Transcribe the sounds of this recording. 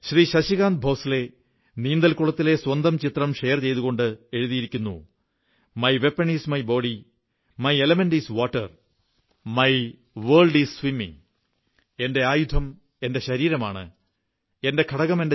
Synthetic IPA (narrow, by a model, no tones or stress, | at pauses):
ɕriːɕɐɕiɣaːnd̪̚bʱo̞ːsile̞ | niːnd̪ɐlkuɭɐt̪ːile̞swɐnd̪ɐmt͡ɕit̪rɐmʂejɐrt͡ɕe̞jðuɣo̞ɳɖɨe̞ɻuðijiɾikʲːunːṵ | mɐjʋe̞pːɐɳiːsmɐjbo̞ːɽi | mɐjelɐmendiːsʋoːʈːɐ̰r | mɐj | ʋeːɭɖiːsswimːḭŋ | e̞nde̞aːjud̪ʰʱɐm | e̞nde̞ɕɐɾiːɾɐmaːɳɨ̰ | e̞nde̞kʰɐɽɐɣɐme̞nde